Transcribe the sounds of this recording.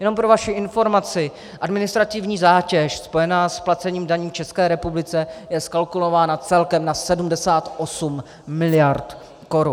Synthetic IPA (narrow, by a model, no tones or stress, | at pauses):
jɛno̞mpɾo̞vaʃɪʔɪnfo̞ɾmat͡sɪ | ʔadmɪnɪst̪ɾat̪ɪvɲiːzaːcɛʃspo̞jɛnaːsplat͡sɛɲiːmdaɲiːmft͡ʃɛskɛːɾɛpublɪt͡sɛjɛskalkulo̞vaːnat͡sɛlkɛmnasɛdumdɛsaːt̪ʔo̞sumː | ɪlɪjaɾt̪ | ko̞ɾu